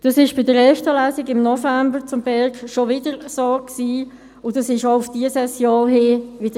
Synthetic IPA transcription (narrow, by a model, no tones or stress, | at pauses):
d̥ɑsɪʃb̥ɪdəɾɛftəlæːsɪɡɪmnɔfæmbəʁt͡sʊmbɛʁkʃoʋɪdəʁsoːksiː | ʊdɑsɪʃoʊfd̥iəsɛsjoːlɦɪːʋɪd̥ə